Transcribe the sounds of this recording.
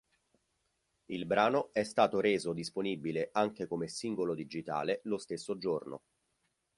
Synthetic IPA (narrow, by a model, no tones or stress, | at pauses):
ilbɾaːnoɛst̪aːt̪oɾeːzod̪isponibileʔaŋk̟ekomesiŋɡolod̪id͡ʒit̪a̰ːlelost̪esːod͡ʒorno̰